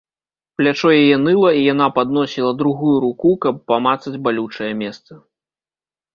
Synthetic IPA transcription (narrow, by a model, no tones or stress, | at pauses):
plʲat͡ʂɔjajɛnɨlˠɐijanapad̪nɔsʲilˠɐd̪ɾuɣujuɾukukɐpːamat̪sɐd͡zʲbalʲut͡ʂɐjɛmʲɛst̪sɐ